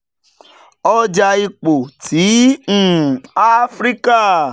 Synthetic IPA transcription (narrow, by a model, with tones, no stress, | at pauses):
ɔ˦d͡ʒa˧i˧k͡po˨tʰĩ˨˦˨ | a˦fɾi˦ka˦˨